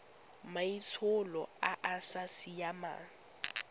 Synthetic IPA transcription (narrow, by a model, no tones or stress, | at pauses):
mait͡sʰʊlɔaʔasasijama̰